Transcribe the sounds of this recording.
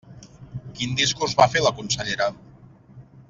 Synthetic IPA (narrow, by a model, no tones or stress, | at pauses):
kind̪iskurzβafeləkunsəʎeɾað